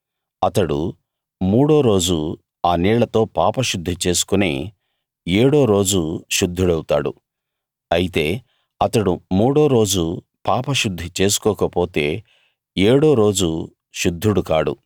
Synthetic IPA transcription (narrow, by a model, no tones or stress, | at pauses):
ɐt̪ɐɽṵ | muːɽo̞ːɾo̞ːd͡ʒu | aːniːɭɐt̪o̞ːpaːpɐʃud̪ʱːit͡ʃe̞ːsu̥kunḛː | eːɽo̞ːɾo̞ːd͡ʒuʃud̪ʱːuɽɐwut̪a̰ːɽṵ | ɐjit̪e̞ː | ɐt̪ɐɽumuːɽo̞ːɾo̞ːd͡ʒu | paːpɐʃud̪ʱːit͡ʃe̞ːsu̥kɔːkɐpo̞ːt̪e̞ː | eːɽo̞ːɾo̞ːd͡ʒu | ʃud̪ʱːuɽukaːɽṵ